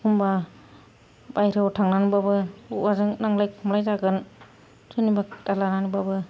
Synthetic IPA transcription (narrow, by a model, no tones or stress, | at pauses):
kumba | bajɾɯwtʰaŋnanubabɯuʔazɯŋnaŋlajkʰumlajzaɡɯn | sʰɯnibad̥alananubabɯ